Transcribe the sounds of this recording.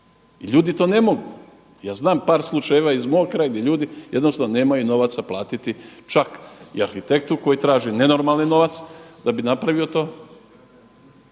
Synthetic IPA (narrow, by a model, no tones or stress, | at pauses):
iʎuːd̪it̪o̞ːne̞mo̞ɡu | jaːznaːmpaːɾslˠut͡ʃajeʋaizmoːɡkɾaːjɡd̪jeʎuːd̪ijed̪nosaone̞ːmajuno̞ʋat̪saplˠaːt̪it̪it͡ʃakḭaɾxit̪e̞k̚t̪uko̞jit̪ɾaːʒine̞no̞ɾmalnino̞ʋat̪sd̪abinapɾaʋio̞t̪o̞ː